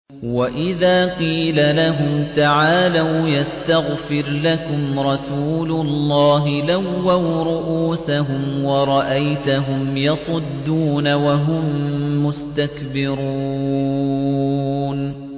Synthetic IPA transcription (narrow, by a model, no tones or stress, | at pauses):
waʔɪðaːqiːlalaɦʊmt̪aʕaːlawjast̪aɣfɪɾlakʊmɾˤɑsuːlʊlˤːɑːɦɪlawːawɾˤʊʔuːsaɦʊmwɑɾˤɑʔajt̪aɦʊmjɑsˤʊd̪ːuːnawaɦʊmːʊst̪akbɪɾuː | n